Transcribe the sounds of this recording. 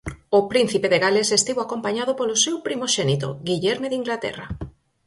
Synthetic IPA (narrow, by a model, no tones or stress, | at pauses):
opɾin̟θipeðeɣalesest̪iβoakompaɲaðopolosewpɾimoʃɛnit̪o̰ɣiʎɛɾmeðiŋɡlat̪ɛ̰ra